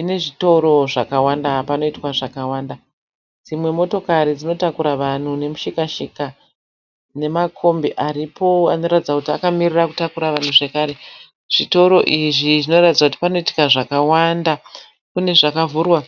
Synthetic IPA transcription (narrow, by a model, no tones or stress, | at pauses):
ine̞ʐito̞ɾo̞ʐakawandapano̞itwaʐakawaːnda | d͡zimwe̞mo̞to̞kaɾid͡zino̞takuɾaʋan̤une̞muʃikaʃika | ne̞makʰo̞mbiʔaɾipʰo̞a̰no̞ɾatid͡zakutiakamiriraku̥takuɾaʋan̤uʐe̞kaːɾe̞ | ʐ̥ito̞ɾo̞ʔiʐiʐino̞ratid͡zakuti̥pano̞iti̥kaʐakawanda | kune̞ʐakavuːrwa